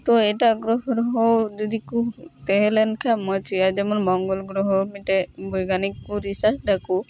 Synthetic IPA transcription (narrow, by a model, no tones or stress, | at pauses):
t̪ɔɛʈaɡɾɔɦɔɾɔɦɔwd͡ʒɔd̪ikut̪ɛɦɛlɛnkʰamɔt͡ʃʰiad͡ʒɛmɔnmɔŋɡɔlɡɾɔɦɔmiʈebɔjɡanikːuɾisasɖaku